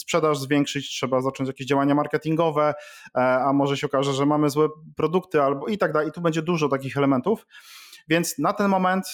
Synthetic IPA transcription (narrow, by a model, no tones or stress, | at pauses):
spʂɛd̪aʐzvʲjɛŋkʂɘt͡ɕtʂɛbazat͡ʂɔɲt͡ɕjakʲeʑd͡ʑawaɲamaɾkɛt̪ʲiŋɡɔvɛ | amɔʐɛɕɛɔkaʐɛʐɛmamɘzwɛpɾɔd̪ukt̪ɘalbɔit̪aɡd̪alɛt̪ubɛɲd͡ʑɛd̪uʐɔt̪ak̬ʲixɛlɛmɛnt̪ufvʲjɛnt̪snat̪ɛnmɔmɛnt̪